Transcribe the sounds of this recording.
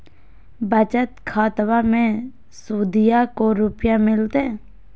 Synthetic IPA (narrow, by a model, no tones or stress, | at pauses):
bət͡ʃət̪kʰaːt̪ʋamẽ | suːd̪ɪjakoɾʊpjamɪlt̪e